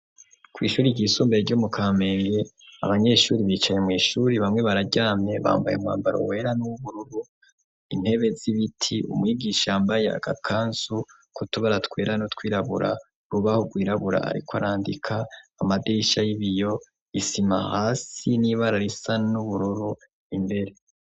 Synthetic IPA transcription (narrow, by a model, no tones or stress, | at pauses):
kwiːʃuːɾiɟiːsuːmbeeɾɟomukʰaːme̞ːŋɡe̞ | a̰βaɲe̞ʃuːɾiβiːt͡ʃaɲemŋiːʃuːɾiβamŋe̞βaɾaɟaːmɲe̞βa̰ːmbajḛumŋa̰ːmbaɾo̰we̞ːɾanuuβuɾuɾu | in̥he̞βe̞ziβitʰiʔṵmŋiɡiːʃaaːmbaje̞a̰ɡ̥a̰kʰaːnsu | kutuβaɾatkwe̞ːɾanotkwiːɾaβṵɾa̰ | ɾuβahoɡwiːɾaβuɾa̰a̰ɾḭkoaɾaːndikʰaːmadeiʃajiβijo̞ | isima̰haːsiniβaɾaɾisanuβuɾuɾu | imbe̞ɾe̞